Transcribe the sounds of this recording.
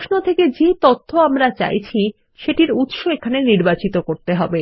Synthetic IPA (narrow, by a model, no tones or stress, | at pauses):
oʃnot̪ʰeked͡ʑet̪ot̪ʰːoamɾat͡ɕa̰jt͡ɕʰi | ʃeʈiɾut̪ʃoekʰaneniɾbat͡ɕit̪okoɾt̪eɦɔbe